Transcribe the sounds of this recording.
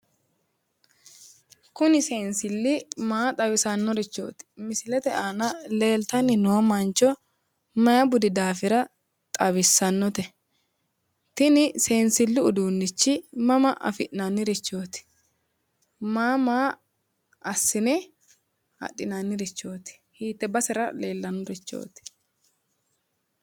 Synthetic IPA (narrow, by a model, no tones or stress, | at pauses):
kʊnɪseːnsɪlːɪmaːt̪ʼɐwɪsɐnːɔɾɪt͡ʃːo̞̰ːt̪ɪ̥mɪsɪlɛt̪ɛʔaːnɐle̞ːlt̪ɐnːɪnoːmɐnt͡ʃːɔ | mɐjɐbʊd̪ɪd̪aːfɪɾɐ | t̪ʼɐβɪsːɐnːɔt̪ɛ | t̪ɪnɪse̞ːnsɪlːʊʊd̪uːnːɪt͡ʃːɪmɐmɐʔɐ̰fɪʔnanːɪɾɪt͡ʃːo̞ːt̪ɪ̥ | maːmaː | ɐsːɪnɛ | hɐ̰ɗːɪnanːɪɾɪt͡ʃːo̞ːt̪ɪ̥ | hiːt̪ːɛbɐsɛɾɐleːlːɐnːɔɾɪt͡ʃːo̰ːt̪ɪ̥